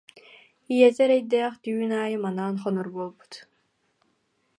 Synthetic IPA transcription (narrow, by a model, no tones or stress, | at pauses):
ijɛzɛɾɛjd̪æːχt̪yːnaːjəmanaːnχɔnɔɾbolˠbu̥t̪